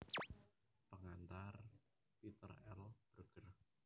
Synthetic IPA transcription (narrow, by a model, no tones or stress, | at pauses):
pəŋant̪ar | pit̪ə̰rɛ̰lb̥rɡ̥ər